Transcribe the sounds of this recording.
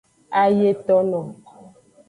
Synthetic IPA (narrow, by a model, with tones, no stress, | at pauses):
a˦je˦tɔ˦nɔ˨m